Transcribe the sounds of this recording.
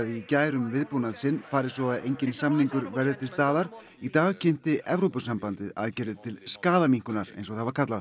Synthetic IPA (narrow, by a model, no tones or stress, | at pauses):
ðɪicaːjɾʏmvɪðpunaðsɪnːfaːɾɪ̥sɔɣaðejɲcɪnsamniŋkʏɾvɛɾðɪt̪ʰɪ̥st̪aːðaɾ̥ | it̪aːɣcʰɛn̥t̪ɪʔɛvɾowpʏsampant̪ɪða̰ðcɛɾðɪðt̪ʰɪlskaːðamiŋ̥kʏnaɾḛjnsɔɣθaðvaɾkʰat̪lað